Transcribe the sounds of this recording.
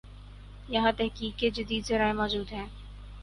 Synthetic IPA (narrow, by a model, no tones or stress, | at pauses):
jɐɦãt̪ɛɦkiːkːed͡ʒɪd̪iːd̪zɐɾaːemɔːd͡ʒuːd̪ɦɛ̃ː